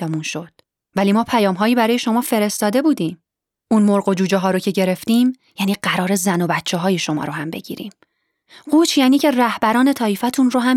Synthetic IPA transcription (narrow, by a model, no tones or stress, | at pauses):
munʃo̞d̪̥ | væliːmɒːpʰæjɒːmɦɒːjiːbæɾɒːjeʃo̞mɒːfe̞ɾe̞st̪ɒːd̪e̞buːd̪iːm | ʔunmoɾɣo̞d͡ʒuːd͡ʒeɦɒːɾocʰe̞ɟe̞ɾe̞ft̪iːm | jæːniːɢæɾɒːɾezæno̞bæt̪ʰt͡ʃʰːeɦɒːje̞ʃo̞mɒ̰ːɾohæmbe̞̰ɟḭːɾḭːm | ɢuːt͡ʃʰjæːniːcʰe̞ræhbæɾɒːne̞t̪ʰɒːifæt̪ʰunroɦæm